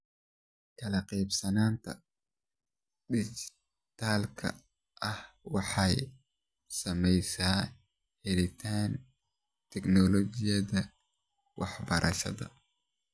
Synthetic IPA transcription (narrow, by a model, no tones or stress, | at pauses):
kʰɐlɐqɛjbsɐnaːnt̪ʰɐ̰ | ɖɪt͡ʃɪ̥ | t̪ʰaːlkʰɐ̰ | ʔɐh | wɑħɑj | sɐmɛjsaː | hɛlɪt̪ʰaːn | t̪ʰɛknɔlɔt͡ʃɪjɐðɐ | wɑħbɐɾʔɐ̰ʃɐ̰ðɐ̰